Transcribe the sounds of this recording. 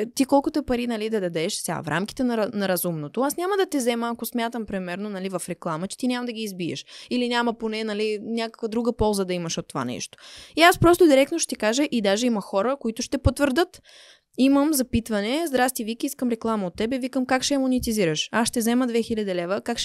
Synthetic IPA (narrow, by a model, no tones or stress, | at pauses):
t̪ikɔlˠkʊt̪oɛpɐɾinɐlid̪ɐd̪ɐd̪ɛʃsʲɛa̰fɾʔa̰mki̥t̪ɛnɐɾnɐɾɐzumnot̪oasnʲaməd̪ɐt̪ɛzɛməːkosmʲjat̪əmpɾimɛɾnonɐlivɐfɾɛklˠamət͡ʃɛ̥t̪inʲaməd̪ɐɡʲiːzbiə̰ʃilinʲaməponɛnɐlinʲakə̥kvəd̪ɾuɡəpɔlˠzəd̪ɐimɐʃot̪ːova̰nɛ̰ʃt̪o̥iaspɾɔst̪od̪iɾɛk̚t̪noʃt̪ɛkaʒəʔid̪aʒɛimɐxɔɾəkoit̪ʊʃt̪ɛpot̪vəɾd̪ɤt̪ | iməmzɐpit̪vɐnɛzd̪ɾast̪ivikʲiiskəmɾɛklˠaməot̪ːɛbɛvikəmkakʃɛmʊnit̪iziɾəʃasʃt̪ɛzɛməd̪vɛxilʲɐd̪ɛlɛvəkakʃ